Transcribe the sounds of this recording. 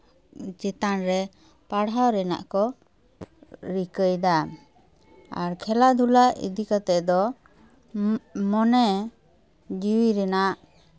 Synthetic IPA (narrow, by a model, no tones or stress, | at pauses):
t͡ʃɛt̪anɾɛ | paɽawɾɛna̰ʔkɔ | ɾikəjd̪a | a̰ɾkʰɛlad̪ʱulaʔḭd̪ikat̪ɛd̪ɔ | mɔnɛ | d͡ʒiwiɾɛnaʔ